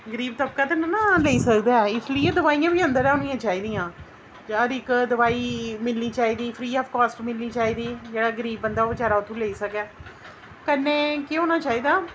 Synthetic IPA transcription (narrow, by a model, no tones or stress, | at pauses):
ɡəɾiːb̚t̪əp̚kaːt̪ennãːləiːsəkd̪aːɛɪsləiːeːd̪əʋaːijãːbiːənd̪əɾɛːʊnĩjãːt͡ʃaːiːd̪ijãː | d͡ʒɾɪkd̪əʋaːiːmɪlniːt͡ʃaːiːd̪iːpʰɾiːɔːfkaːsʈmɪlniːt͡ʃaːiːd̪iːd͡ʒeːɽaːɡəɾiːbːənd̪aːot͡ʃaːɾaːʊt̪ʰũːləiːsəkɛː | kənːeːkeːɦoːnaːt͡ʃaːiːd̪aː